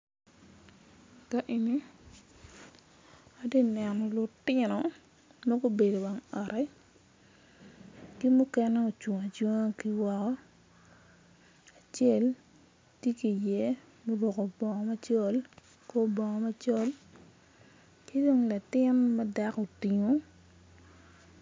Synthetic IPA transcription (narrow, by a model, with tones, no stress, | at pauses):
ka˦ʔe˨ni˦ | a˦de˦nɛ˨nɔ˨lo˨tɪ˦nɔ˨ | ma˦ɡo˦be˨do˨wa˨ŋɔ˨ɾɛ˦ | ki˦mu˦kɛ˦nɛ˦o˨t͡ʃu˨ŋa˨t͡ʃu˦ŋa˦ki˦wɔ˦kɔ˦ | a˨t͡ʃe˦l | tje˦ki˨je˦ | mo˦ɾo˨ko˨bɔ˨ŋɔ˨ma˦t͡ʃɔ˦l | ko˦bɔ˨ŋɔ˨ma˦t͡ʃɔ˦l | ki˦do˦ŋla˨tɪ˦nmɛ˦da˦ko˨ti˨ŋo˨˦